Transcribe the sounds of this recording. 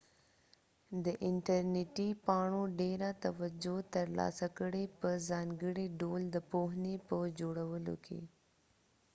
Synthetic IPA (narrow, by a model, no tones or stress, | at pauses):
d̪əʔɪɳʈaɾnɪʈipɑɳoɖeɾat̪awad͡ʒot̪əɾlɑ̰sakəɽepəzɑŋɡəɽiɖold̪əpoɦnepəd͡ʒoɽawəlo̰kʰḛ